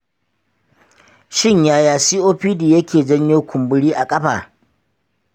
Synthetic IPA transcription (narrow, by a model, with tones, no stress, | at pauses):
ʃɪ˦ɲjaː˦jaː˨siː˦ʔoː˦ɸiː˦diː˨jɐ˦kʲʰeː˨d͡ʒɐ˦ɲjeː˦kʷʰʊ˨mbʊ˦ɽiː˦ʔa˨kʼɐ˦ɸa̰ː˨